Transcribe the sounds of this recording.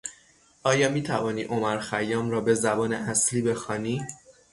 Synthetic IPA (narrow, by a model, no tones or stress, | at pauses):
ʔɒːjɒːmiːt̪ʰævɒːniːʔomæɾxæjɒːmɾɒːbe̞zæbɒːnḛæsliːbe̞xɒːniː